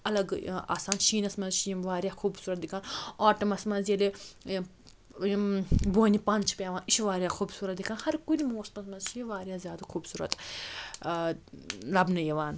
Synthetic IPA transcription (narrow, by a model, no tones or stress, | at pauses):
ɐlɐɡa̰ːsaːnʃiːnɐsmɐzʃiːmʋaːɾjaːxʰuːbsuːɾɐt̪̚d̪ikʰaːnaːʈɐmɐsmɐnzjele | boːnʲipɐnt͡ʃʰpʲjaːʋãːniʃʋaːɾʲijaːxʰuːbsuːɾɐt̪d̪ikʰãːnhɐɾkunʲimoːsmɐsmɐzʃiʋaːɾʲjaːzjaːd̪xʰuːbsuːɾɐ̰t̪ | lɐbnɐjeʋaːn